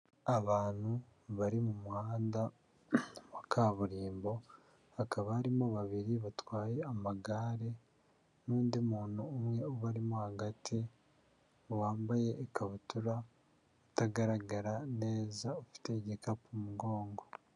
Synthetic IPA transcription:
aβaːn̥hu | βaɾimumuhaːnda | βakʰaβuɾiːmbo̞ | hakaβahaɾimoβaβiɾiβatwaːje̞amaɡaːɾe̞ | nuːndimuːnoːmŋe̞oβaɾimohaɡatʰi | waːmbaje̞ʔːkʰaβutuɾa | utaɡaɾaɡaɾane̞ːzaofi̥te̞ɟekapumuɡo̞ːŋɡo̞

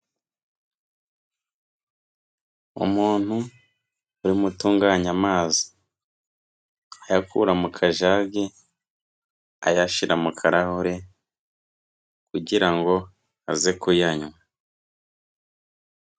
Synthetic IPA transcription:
ṵmuːn̥hu | uɾimutuːŋɡaːɲamaːzi̥ | ajakʰṵɾamukʰaʒaɡe | a̰jaʃiɾʔamukʰaɾahoɾe̞ | kuɟiɾaŋɡo̞ | a̰zekujaɲwa

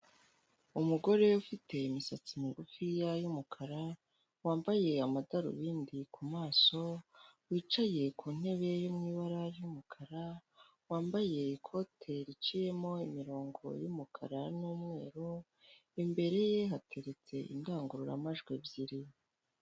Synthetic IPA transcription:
umuɡo̞ɾe̞ufite̞imisat͡simiɡufijajumukʰaɾa | waːmbaje̞amadaɾṵβiːndikʰumaːso̞wiːt͡ʃaje̞kʰuːn̥e̞βe̞jumŋiːβaɾaɾjumukʰaɾa | waːmbaje̞ikʰo̞tʰe̞ɾit͡ʃije̞mo̞imiɾo̞ːŋɡo̞̰jumukʰa̰ɾanuːmŋe̞ːɾu | imbe̞ɾe̞jeɦatʰe̞ɾe̞t͡se̞ʔḭndaːŋɡuɾuɾa̰maʒɡwe̞bjiɾi

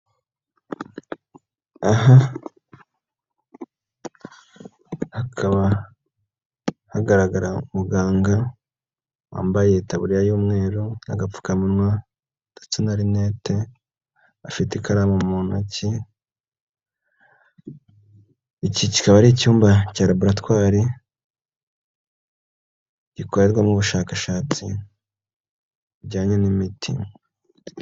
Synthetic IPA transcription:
aɦa | hakʰaβa | haɡaɾaɡaɾaumuɡaːŋɡa | wa̰ːmbaje̞taβuɾijajuːmŋe̞ːɾonaɡafu̥kamunŋwa | tḁt͡sinaɾineːtʰe | afitikaɾamomunaci | icici̥kaβaɾicuːmbacaːɾaβuɾatwaːɾi | ɟ̥iko̞ɾe̞ɾɡwamŋuβuʃaːkaʃaːt͡si | ɟaːɲenimitʰḭ

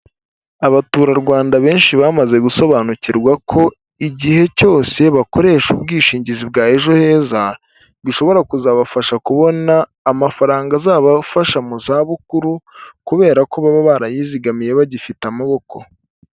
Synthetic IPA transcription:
aβatuɾaɾɡwaːndaβe̞ːnʃiβaːmaze̞ɡuso̞βaːnuciɾɡwakʰo̞ | iɟihe̞co̞ːse̞βako̞ɾe̞ːʃubɡiːʃiːɲɟizib̚ɡaːeʒo̞he̞ːza | βiʃo̞βo̞ɾakuzaːβafaʃakuβo̞naː | mafaɾaːŋɡazaːβafaʃamuzaːβukuɾukuβe̞ːɾako̞βaβaβaɾajiːziɡamije̞βaɟifitamaβo̞ko̞

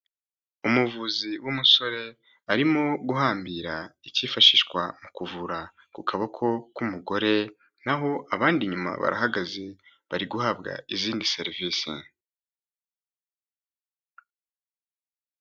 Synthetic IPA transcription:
umuvuziwʔumuso̞ɾe̞ | aɾimoɡuɦaːmbiɾaiciːfaʃiːʃkwamukuvuɾa | kukʰaβakʰo̞kumuɡo̞ɾe̞ | naɦo̞ʔaβaːndiɲuma̰βa̰ɾa̰ɦaɡaze̞ | βaɾiɡuhabɡa̰iziːndise̞ɾiviːsḭ

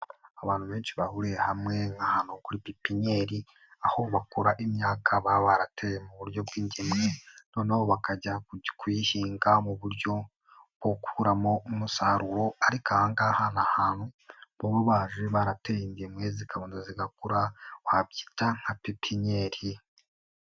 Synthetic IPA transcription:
aβaːn̥huβe̞ːnʃiβahuɾiehamŋe̞ŋahaːnhukuɾipipiɲe̞ɾi | aho̞βakoɾaʔimɲaːkʰaβaβaɾatʰejemuβuɾjo̞bɡwiːɲɟemŋeno̞ːnaβoβakaɟakwihiːŋɡamuβuɾjo̞ | b̥wokʰuɾamo̞musaɾuɾo̞aɾikahaŋɡahanahaːnhuβoβoβaːʒeβaɾatejiɲɟemŋezikaβoːndoziɡakuɾawabɟi̥taŋ̥apipʰiɲe̞ɾi

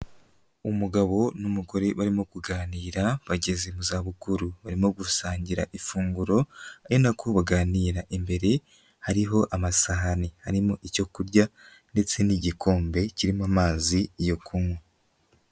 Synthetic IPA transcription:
umuɡaβo̞numuɡo̞ɾe̞βaɾimokuɡaːniːɾaβaɟe̞zemuzaːβukuɾuβaɾimoɡusaːɲɟiɾa̰ʔifuːŋɡuɾo̞ajonakʰoβaɡaːniːɾaʔimbe̞ɾe̞ | haɾiɦo̞ʔamasaɦanihaɾimoʔico̞kuɾɟa | nde̞t͡se̞niɟikʰo̞ːmbe̞ciɾimamaːzijokʰuŋwe

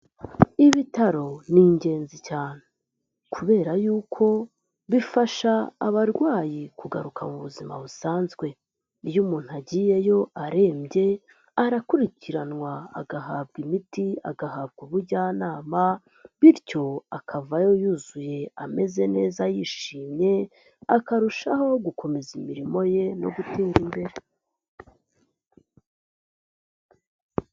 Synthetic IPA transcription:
iβitaɾo̞niɲɟe̞ːnzicaːn̥e | kʰuβe̞ːɾajuːkʰo̞ | βifaʃaːβaɾɡwaːjikuɡaɾukʰamuβuzima̰βusaːnzɡwe̞ | ijumuːn̥uaɟiːje̞jo̞ʔaɾe̞ːmɟe̞ | aɾakuɾiciɾanwa̰ːɡaɦaːbɡimitia̰ɡahaːbɡuβuɾɟaːnaːma | βiɾco̞akʰavajo̞juzuje̞ame̞ze̞ne̞ːzajiʃiːmɲe̞ | akaɾuʃaɦo̞ɡukʰo̞me̞zimiɾimo̞je̞no̞̰ɡuteːŋɡimbe̞ɾe

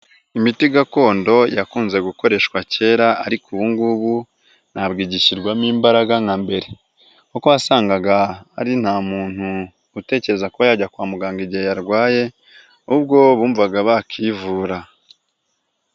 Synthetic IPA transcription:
imitiɡako̞ːndo̞jakuːnze̞ɡuko̞ɾe̞ʃkwace̞ɾaa̰ɾikʰuβuŋɡuβu | n̥abɡiːɟiʃiɾɡwamiːmbaɾaɡaŋambe̞ɾe̞ | kokojasaːŋɡaɡaːɾin̥haːmuːn̥huː | te̞ːce̞ɾe̞zakuβajaɟakwaːmuɡaːŋɡiɟihejaɾɡwaːje̞ | ub̚ɡo̞βuːɱvaɡaβakʰivuːɾa

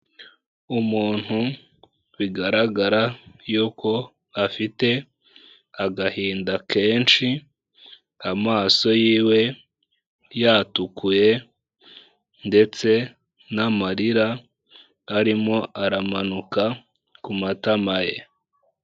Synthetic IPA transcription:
umuːn̥hu | wiɡaɾaɡaɾajuːko̞ | afite̞ | aɡahiːndake̞ːnʃi | amaːso̞jiːwe̞ | jatukuje̞ | nde̞t͡se̞ | namaɾiɾaː | ɾimŋo̞ʔaɾamanuka | kumatamaje̞

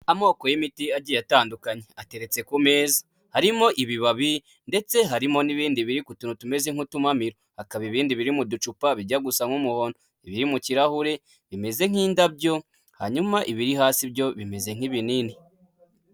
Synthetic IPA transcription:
amo̞ːko̞jimitiaɟijataːndukaɲeate̞ɾe̞t͡se̞kume̞ːza | haɾimo̞ʔiβiβaβi | nde̞t͡se̞ɦaɾimo̞niβiːndiβiɾikutunutume̞zeŋutumamiɾohakaβiβiːndiβiɾimudut͡ʃupaβiɟaɡusaŋumuhoːndo | iβiɾimuciɾahuɾe̞ | βime̞ze̞ŋ̥iːndabɟo̞ | haɲumaʔiβiɾiɦaːsibɟo̞βime̞ze̞ŋ̥iβinini

